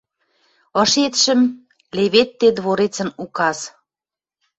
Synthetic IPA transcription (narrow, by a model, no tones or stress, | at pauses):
ɤ̆ʃet̪ʃə̆m | leβet̪ːed̪βoɾet͡sə̆nukɑs